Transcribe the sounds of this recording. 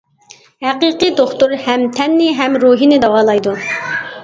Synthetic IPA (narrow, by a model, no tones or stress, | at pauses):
hæqiqɨd̪oχt̪uɾhɛmt̪ʰɛnːɪɦɛmɾuɦinɪd̪ɑwɑːlˠɑjd̪u